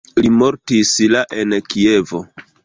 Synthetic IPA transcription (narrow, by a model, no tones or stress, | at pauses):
limo̞ɾtislaʔe̞nkie̞vo̞̰